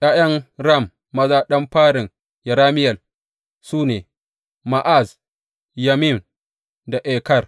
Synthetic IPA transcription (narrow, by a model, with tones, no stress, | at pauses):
jaː˦jɐ˦ŋɾɐ˦˨mː | ɐ˦zaː˦ɗɐ˦mɸaː˦ɽɪ˨ŋ | jɐ˨ɾaː˦mɪ˦jɐ˨l | suː˦neː˨ | ma˨ʔa˦˨z | ja˨mi˦˨m | da˨ʔɛː˨kɐ˦˨r